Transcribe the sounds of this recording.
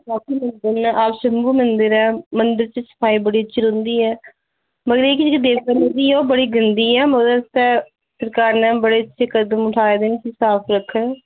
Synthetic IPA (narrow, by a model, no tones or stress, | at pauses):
baːkʰiːmənd̪əɾnʔaːpʃəmbuːmənd̪əɾɛːmənd̪əɾt͡ʃəsə̥pʰaːiːbəɽiːətːt͡ʃʃʰɪɾɦʊ̃nd̪iːɛː | məɡəɾeːkɪt͡ʃkd̪eːkkənẽd̪iːɔːbəɽiːɡənd̪iːɛːmɔːd̪əst̪ɛː | səɾkaːɾnɛ̃ːbəɽeːətːʃʰekəd̪əmʊʈʰaːed̪ensiːsaːpʰɾəkʰːə